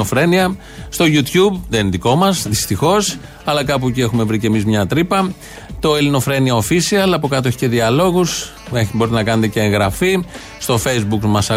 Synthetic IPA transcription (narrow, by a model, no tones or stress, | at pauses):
ofɾe̞niɐ | st̪o̞ʝut̪çubðeninðiko̞mɐsðist̪ixo̞s | ɐlɐkɐp̬ucie̞xume̞vɾicemizmɲɐt̪ɾipɐ | t̪o̞elino̞fɾe̞niɐofisiɐlɐpo̞kɐt̪oeçi̥ce̞ðiɐlo̞ɣus | eibo̞ɾit̪enɐkɐne̞t̪e̞ceːŋɣɾɐfi | st̪o̞fe̞jzbukmɐsɐ